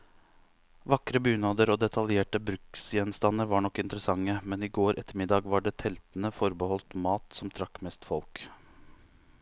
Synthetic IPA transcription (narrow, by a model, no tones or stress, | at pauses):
ʋɑkɾəbʉːnɑːd̪əɾoːd̪ɛt̪ʰɑljeːʈəbɾʉksjɛnst̪ɑnːəɾʋɑːɳɔkːɪnt̪əɾəsɑŋːəmɛniːɡoːɾʔɛt̪ːəɾmɪd̪ɑːɡʋɑɖɛːt̪ʰɛlt̪n̩əfɔɾbəhɔlt̪mɑːt̪sɔmt̪ʰɾɑkːmɛst̪fɔlk